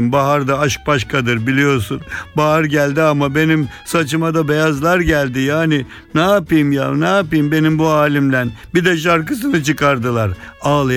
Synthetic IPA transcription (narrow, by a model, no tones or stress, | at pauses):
mbaɦaɾd̪aaʃk̚baʃkʰad̪ɯɾbilʲijo̞ɾsunbaɦaɾɟælʲd̪iamabe̞nimsat͡ʃʰɯmad̪abɛjazlˠaɾɟælʲd̪ijaːnɪ | nɛapɯjmjaːnɛapɯjmbe̞nimbuaːlʲimd̪ænbid̪ɛʃ̬aɾkɯs̬ɯnɯt͡ʃɯkaɾd̪ɯlˠaɾaːlˠɯ